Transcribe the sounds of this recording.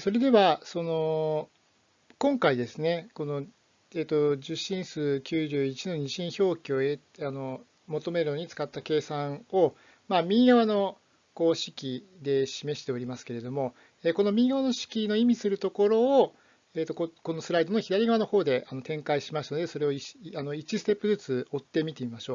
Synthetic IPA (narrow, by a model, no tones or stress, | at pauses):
so̞ɾe̞d̪e̞βaso̞no̞ | kõ̞ŋkaid̪e̞sɨne̞ko̞no̞ | eːt̪ːo̞ʑɨɕːĩɰ̃sɨːkʲɨːʑɨːit͡ɕino̞ɲ̟iɕĩɰ̃ço̞ːkʲio̞e | ano̞ | mo̞t̪o̞me̞ɾɯ̟no̞ɲ̟it͡sɨ̥kat̪ːake̞ːsãɰ̃o̞ | maːmʲĩɡaβano̞ | ko̞ːɕi̥kʲi | d̪e̞ɕime̞ɕi̥t̪e̞o̞ɾʲimasɨ̥ke̞ɾe̞d̪o̞mo̞ | eːko̞no̞mʲiːɡaβano̞ɕi̥kʲino̞imʲisɨɾɯ̟t̪o̞ko̞ɾo̞ː | eːt̪ːokoko̞no̞sɨɾaid̪o̞noçid̪aɾʲiɡaβanoho̞ːd̪e̞ʔano̞t̪ẽ̞ŋkaiɕimast̪ano̞d̪eso̞ɾe̞o̞iano̞it͡ɕisɨ̥t̪e̞pːɯ̟zɨt͡sɨo̞t̪ːe̞mʲit̪emimaɕo̞ː